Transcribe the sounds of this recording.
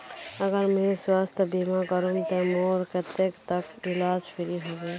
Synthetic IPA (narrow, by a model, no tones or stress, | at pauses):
əɡəɾmẽswaːst̪ʰəbimakəɾumt̪emoːɾket̪ekt̪ək | ɪlaːd͡ʒpʰɪɾiɦoːɡe